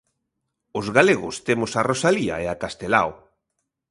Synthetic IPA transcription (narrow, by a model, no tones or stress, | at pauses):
ʊzɣaleɣʊst̪emʊsarosalia̰eakast̪ela̰w